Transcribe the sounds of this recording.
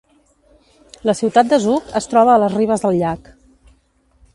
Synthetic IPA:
ləsiwt̪at̪̚d̪əzukəst̪ɾɔβəːləzriβ̞əzðəlˠʎak

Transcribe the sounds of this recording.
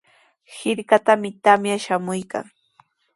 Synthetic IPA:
hɪɾkat̪amɪt̪amjaʃamʊjka̰ŋ

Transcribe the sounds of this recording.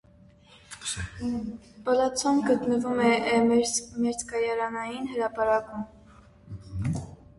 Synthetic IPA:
b̥ɑlɑt͡sʰɔmɡət̪nəvumɛ | mɛɾt͡skɑjɑɾɑnɑjinhəɾɑpɑɾɑkum

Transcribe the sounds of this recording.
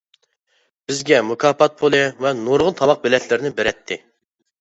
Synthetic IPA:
b̥ɪzɡʲɛmukʰɑːpɑt̪̚pʰolˠɨvɛnoɾʁʊnt̪ʰɑmɑq̚bɪlɛt̪ʰlɪɾɪnɪbeɾɛt̪ʰːɪ

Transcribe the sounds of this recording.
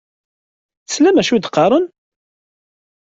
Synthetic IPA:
θəslæmæʃud̪qːɑɾˤən

